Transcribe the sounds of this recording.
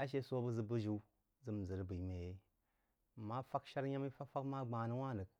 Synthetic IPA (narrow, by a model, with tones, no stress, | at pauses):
a˦ʃ̬e˦so˦bə˦zɨ˨bə˦ʒi˨˦ | zɨ˦m˨zə˨ɾbi˨˦me˨je˦˨ | ma˦fa˦kʃa˦ɾja˦mi˦fa˦fa˦kma˦ɡ͡ba˨nɨ˦wa˦nə˨k̚